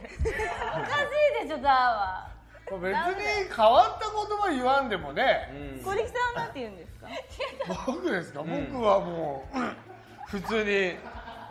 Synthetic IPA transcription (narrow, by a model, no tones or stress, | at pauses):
okazed̪ed͡ʑod̪aβa | mobe̞t͡sɨɲ̟ikaβat̪ːako̞t̪o̞βaiβãnd̪e̞mo̞ne̞koɾʲikʲi̥t̪anãt̪ejɯ̟̃nd̪esɨ̥ka̰bookɯ̟d̪e̞sɨ̥kabo̞kɯ̟βamoː | ɸɯ̟t͡sɨːɲ̟i